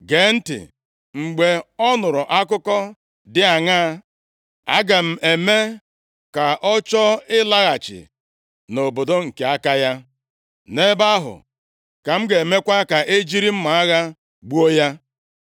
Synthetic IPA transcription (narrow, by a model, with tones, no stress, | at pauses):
ɡe˨˦n̩˦tɪ̰˨ | ŋ͡m̩˨ɡ͡be˨ɔ˦nʊ˨ɾʊ˨ʔa˦kʊ˦kɔ˦ | dɪ˦a˨ŋaː˦ | a̰˦ɡa˨m̩˨e˨me˦ | ka˨ʔɔ˦t͡ʃɔ˦ɪ˦la˦ɣa˨t͡ʃɪ̰˨ | no˨bo˨do˦ŋ̩˨ke˦a˦ka˦ja˦ | ne˦ba˦ɦʊ̰˨ | ka˨m̩˦ɡe˨me˦kʷa˦ka˨ʔe˦d͡ʒi˦ɾi˦m̩˦ma˨a˦ɣa˦ | ɡ͡bu˦o˦ja˦